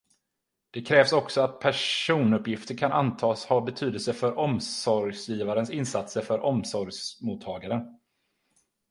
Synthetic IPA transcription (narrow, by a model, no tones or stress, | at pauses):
d̪̥ɛkʰɾɛːvsɔksɔat̪̚pʰæʂuːnɵpːjɪft̪əɾkʰanʔant̪ʰɑːshɑːbɛt̪ʰyːd̪əlsəfœɾʔɔmsɔɾɡsjiːvaɾənsɪnːsat̪səɾfœɾʔɔmsɔɾɡsmut̪ʰːɑːɡaɾən